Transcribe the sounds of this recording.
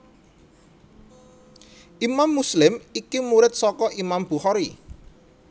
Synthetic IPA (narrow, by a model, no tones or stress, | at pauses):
ʔimamːuslɪmikimuɾɪt̪̚sɔkɔʔimamb̥ṳhɔɾi